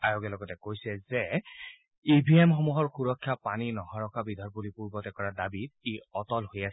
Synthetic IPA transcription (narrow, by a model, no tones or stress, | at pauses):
ajoɡɛlɔɡɔtɛkojsɛzɛ | ibʱiemxɔmuɦɔɹxuɹɔkʰːjapaninɔhaɹɔkabidʱɔɹbulipuɹbɔtɛkɔɹadabit̚eɔtɔlhojas